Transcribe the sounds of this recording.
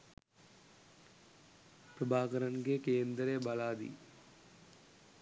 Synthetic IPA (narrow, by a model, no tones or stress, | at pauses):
pɾəbʱaːkəɾənkekeːnd̪ɾebɐlaːd̪ḭː